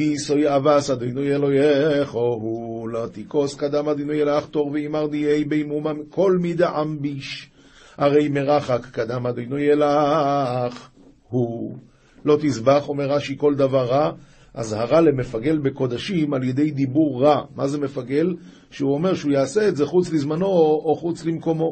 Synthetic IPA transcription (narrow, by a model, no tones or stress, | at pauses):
isojavasad̪ojnojelojeχoɦulot̪iko̞skad̪amad̪ijnojelaχt̪o̞ʁveimaʁd̪iejbejmumamkʰo̞lmid̪eʕambiʃ | haʁe̞jmeʁaχakːad̪amad̪ojnojela | χ | hu | lo̞t̪izbaχomeʁaʃiko̞ld̪avaʁːa | ʔazhaʁale̞me̞faɡe̞lbeko̞d̪aʃimaljed̪e̞jd̪ibuʁːamaze̞me̞faɡe̞l | ʃeuo̞me̞ʁʃeujaːseːtze̞χut͡slizmano̞ːχut͡slimko̞mo̞